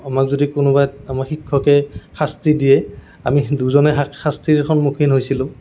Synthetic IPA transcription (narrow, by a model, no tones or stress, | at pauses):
amakzodikʊnʊbajamaxʰikʰːɔkɛxastidiɛ | amiduzɔnɛaxastʰikʰɔnmukʰinɦojsilʊ̃